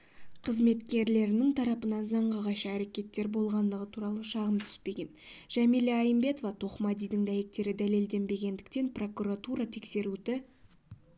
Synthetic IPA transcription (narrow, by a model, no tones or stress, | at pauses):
qʰəzme̞t̪kʲe̞ɾle̞ɾɪnɪŋt̪ʰɑɾɑpənɑnzɑɴʁəʁɑjʃɑæɾe̞kʲe̞t̪ːe̞ɾbo̞lˠʁɑnd̪əʁət̪ʰuɾɑlˠəʃɑʁəmt̪ʰʏ̥spe̞ɡʲe̞nʒ̥æmijleɑjəmbe̞t̪o̞vɑt̪ʰo̞χmɑd̪ijd̪ɪŋd̪æje̞k̚t̪e̞ɾɪd̪æle̞ld̪e̞nbe̞ɡʲe̞nd̪ɪk̚t̪e̞npro̞kuɾat̪uɾɑt̪ʰe̞kse̞ɾud̪ɪ